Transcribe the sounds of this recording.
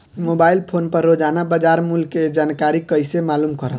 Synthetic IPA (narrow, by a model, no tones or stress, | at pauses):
mobailpʰonpəɾːod͡ʒanabəd͡ʒaɾmulked͡ʒankaɾikəjsemalumkəɾə̰